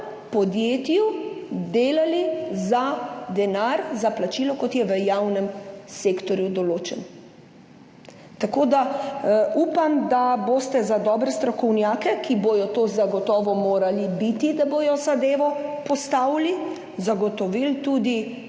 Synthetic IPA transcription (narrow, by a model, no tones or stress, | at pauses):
pɔd̪jeːt̪jud̪eːlalizad̪ɛnaɾzaplat͡ʃiːlɔkɔt̪jɛʋəjawnɛmseːkt̪ɔɾjud̪ɔloːt͡ʃɛn | t̪akoːd̪a | uːpamd̪aboːst̪ɛzad̪ɔːbɾɛst̪ɾɔkɔwnjaːkɛkibojɔt̪ozaɡɔt̪ɔːʋɔmoːɾalibit̪id̪abojɔsad̪eːʋɔpɔst̪aːwli | zaɡɔt̪ɔʋilt̪uːd̪i